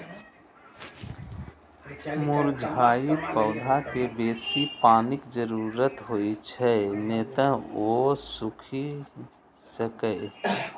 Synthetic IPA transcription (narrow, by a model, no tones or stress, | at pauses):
mʊɾd͡ʒʱaːjɪt̪pəːd̪ʱakebeːsipaːnɪkd͡ʒəɾuːɾət̪ɦoːit͡ʃʰɛneːt̪ə̃oːsʊkʰi | səkəe